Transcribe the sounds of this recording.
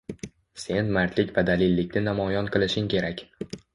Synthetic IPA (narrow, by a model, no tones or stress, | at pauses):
se̞nmaɾt̪ʰlɪkʲvad̪alɪlːɪkʲnɪnamɒjɒnqʰɨlˠɪʃɪŋkʲʰe̞ɾakʲ